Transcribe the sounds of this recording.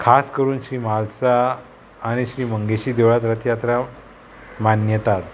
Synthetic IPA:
kʰaskəɾuːnɕɾiːmalsaː | ɽ̃iɕɾiːməŋɡeɕiːd̪eʋɭat̪̬ɾət̪ʰjat̪ɾa | manjət̪at̪

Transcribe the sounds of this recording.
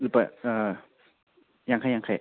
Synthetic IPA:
lɯpaʔəː | jaŋkʰajakʰa

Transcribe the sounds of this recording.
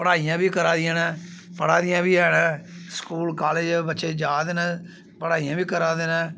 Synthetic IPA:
pəɽaːijãːbiːkəɾãːd̪ɪjãːnãːpəɽaːd̪ɪjãːbiːɛːnɛ̃ːskuːlkaːleːd͡ʒbətːʃeːd͡ʒaːd̪eːnãː | pəɽaːijãːbiːkəɾãːd̪eːnãː

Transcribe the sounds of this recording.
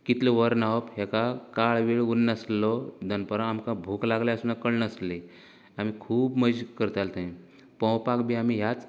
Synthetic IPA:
kit̪lɔʋəɾnaəpɦɛkakaɭʋiɭunːəslɔd̪ʱənpəɾãːmkãbʱuːklaɡljaəsunakəɭnəsli | amikʰuːbməd͡ʑkəɾt̪alt̪ẽ | pə̃wpakbiamiɦjat͡s

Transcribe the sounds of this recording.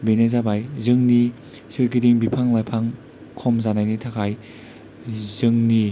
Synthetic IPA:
benezabajzɯŋni | sɯɾkidiŋbipʰaŋlajpʰaŋ | kʰɔmzanajnitʰakʰaj | zɯŋni

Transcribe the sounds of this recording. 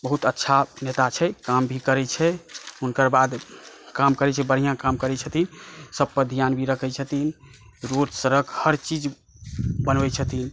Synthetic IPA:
bəɦut̪ətːʃʰanet̪at͡ʃʰɛkambʱikəɾɛt͡ʃʰɛunkəɾbad̪kamkəɾɛt͡ʃʰɛbəɽ̤ijãkamkəɾɛt͡ʃʰət̪insəb̚pəd̪ʱijanbʱiɾəkʰɛt͡ʃʰət̪in | ɾodsəɾəkʰhəɾt͡ʃid͡ʒ | bənbɛt͡ʃʰət̪in

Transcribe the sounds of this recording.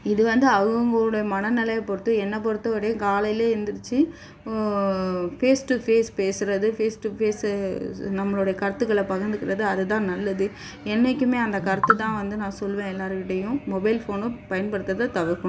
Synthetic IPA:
ɪðɯʋɐnd̪ɯɐɣɯŋɡɐɭːɽɐjɐmɐnɐnɪlɐjɐpɔɾɯt̪ːɯɛnːɐpɔɽɯt̪ːɐʋɪɽekaːlɐjɪleːɛnd̪ɯɾɯt͡ʃːɯ | feːsʈɯfeːspeːsɯɾɐðɯfeːsʈɯpeːs | nɐmːɐɭoːɽɐjɐkɐɾt̪ːɯkːɐɭɐpɐɣɐnd̪ɯkɪɾɐðɯɐðɯt̪ãːnɐlːɐðɯ | ɛnːɛkʲːɯmeːɐnd̪ɐkɐɾɐt̪ːɯt̪ãːʋɐnd̪ɯnãːsɔlʋẽːɛlːaːɾɯkɪʈːɐjʊ̃mɔbɐɪlfoːnɯpɐjɐnpɐɽɯt̪ːɐðɐt̪ɐʋɯɾkːɐɳ̃

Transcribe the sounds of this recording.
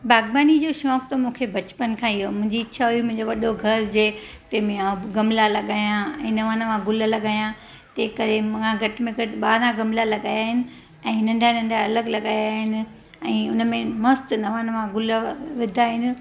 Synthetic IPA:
baːɡbaːnid͡ʑoːʃɔːkt̪ɐmũːkʰebɐt͡ɕpənkʰãːɪjomʊ̃ɦɪ̃ɲd͡ʑit͡ɕʰaɦʊjimʊ̃ɦɪ̃ɲd͡ʑoʋɐɗoɡʱɐɾd͡ʑeː | t̪emɪ̃ãɡɐmlalɐɠaːjãɛ̰̃ːnɐʋãːnəʋãɡʊləlɐɠaːjã | t̪ɐːkɐɾemãɡʱɐʈɪmẽɡʱɐʈɓaːɾãɡɐmlalɐɠaːjaːɦɪnɪ̆ | ɛ̃ːnɐ̃ɳɖʱanɐ̃ɳɖʱaɐləɡlɐɠaːjaːɦɪnɪ̆ | ɛ̃ːʊnəmẽmɐst̪nɐʋãːnəʋãɡʊləʋɪd̪ʱaːɦɪnɪ̆

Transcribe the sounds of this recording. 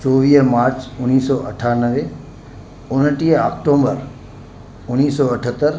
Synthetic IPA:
t͡ʃɔːʋiːɦmaːɾt͡ʃʊniːsɔːʔɐʈʰaːnəʋe | ʊnəʈiːɦa̰ːk̚ʈoːmbəɾ | ʊniːsɔːɐʈʰət̪ːəɾ

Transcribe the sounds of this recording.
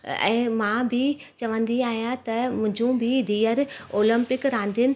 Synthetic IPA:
ɛ̰̃ːmãːbʱɪ | t͡ɕɐʋə̃nd̪iaːɦijãt̪ɐmʊ̃ɦɪ̃ɲd͡ʑũbʱɪd̪iːəɾoːlə̃mpɪkɾãːnd̪ʱɪnɪ

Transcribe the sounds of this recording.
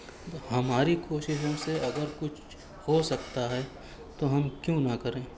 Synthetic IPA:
ɦɐmaːɾikoːʃɪʃseɐɡəɾkʊt͡ʃʰ | hosɐkt̪aɦɛ | t̪oɦɐmkjũːnɐkɐɾẽː

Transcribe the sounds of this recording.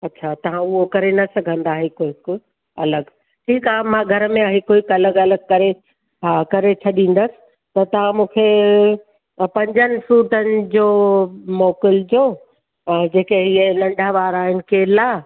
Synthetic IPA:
ɐtːɕʰat̪ɐʋ̤ãʊɦokɐɾenɐsɐɡʱə̃nd̪aːɦekoːɦɪk | ɐləɡ | ʈʰiːkaːɦemãːɡʱɐɾəmẽaːɦɪkoːɪkɐləɡɐləɡ̚kɐɾe | ɦakɐɾet͡ɕʰɐɗĩːn̆d̪əsɪ̥̆ | t̪ɐt̪ɐʋ̤ãmũːkʰe | pɐ̃ɲd͡ʑənɪ̆suːʈənɪ̆d͡ʑoːmɔːkɪld͡ʑoː | d͡ʑeːkeɦienɐ̃ɳɖʱaʋaːɾaːɦɪnɪ̆kʰelaː

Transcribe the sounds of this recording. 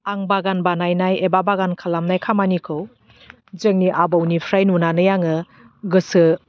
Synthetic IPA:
aŋbaɡanbanajnajebabaɡankʰalamnajkʰamanikʰɯw | zeŋniʔabɯwnipʰɾajnunanɯjaŋɯ | ɡɯsɯ

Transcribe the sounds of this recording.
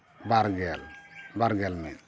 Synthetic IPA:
baɾɡɛlbaɾɡɛlmɛ̰

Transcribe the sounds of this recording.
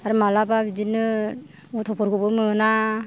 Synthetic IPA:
aɾɯmalababidinɯ | ɔtʰɔpʰɔɾɡɯbɯmɯna

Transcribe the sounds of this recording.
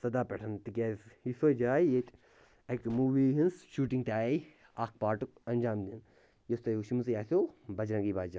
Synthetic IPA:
sɐd̪aːpɛʈʰɐnt̪ikʲasisoːd͡ʒaːijet͡ʃ | ɐkmuːʋiːɦinsʃuːʈiŋɡ̚t̪ʲaː | aːk̚paːɾʈukɐnʲd͡ʒaːmd̪ʲin | jost̪ɐuʃmus̬jaːsobɐd͡ʒɾɐ̃ŋɡibaːd͡ʒa

